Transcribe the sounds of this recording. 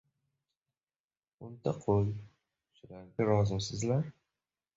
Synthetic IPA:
ʊnt̪ʰaqʰolˠ | ʃʊlaɾɡʲaɾɒzɪmsɪzlaɾ

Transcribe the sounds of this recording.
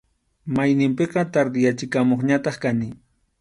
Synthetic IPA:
majnɪmpeqɑt̪aɾd̪ɪjat͡ʃɪkamoχɲat̪ɑχkanɪ

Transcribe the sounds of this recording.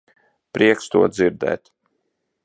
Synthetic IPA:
pɾiɛkst̪uɔd̪ziɾd̪ɛ̰ːt̪

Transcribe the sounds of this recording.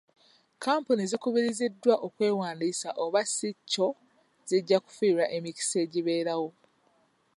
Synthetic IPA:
kaːmpunizikuβiɾizidːwaʔo̞kwe̞ːwaːndisaʔo̞βasicːo̞ | z̥iɟːaku̥fiɾaʔe̞mici̥se̞ːɟiβe̞ːɾawo̞

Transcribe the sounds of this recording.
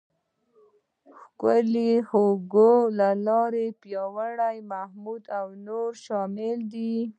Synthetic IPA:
xkʊlihoɡolalɑɾepjɑwaɽajmahmud̪awnoɾʃɑmɪld̪i

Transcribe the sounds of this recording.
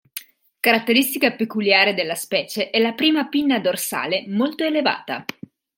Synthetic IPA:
kaɾat̪ːeɾist̪ikapekuljaːɾed̪elːaspɛːt͡ʃeʔɛlapɾiːmapinːad̪orsa̰ːlemolt̪oeleva̰ːt̪a̰

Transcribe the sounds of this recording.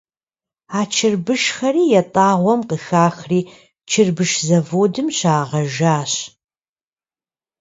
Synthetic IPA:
aːt͡ʃʰɪrbɨʃxɐriːjɛtʼaːʁʷɔmqəxaːxriː | t͡ʃʰɨrbɨʃzɐvoːdɨmɕaːʁɐʒaːɕ

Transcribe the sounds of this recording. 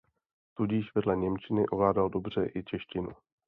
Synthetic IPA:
t̪uɟɪʃvɛdlɛɲɛmt͡ʃɪnɪʔovlaːdaldo̞br̝ɛʔɪt͡ʃɛʃcɪnṵ

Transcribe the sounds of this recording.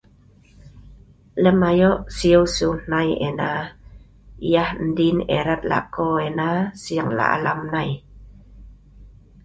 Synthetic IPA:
ləmajoʔsiowsunnajena | ijahn̩dineɾat̪̚la̰koenasiaŋla̰ʔa̰lamnaj

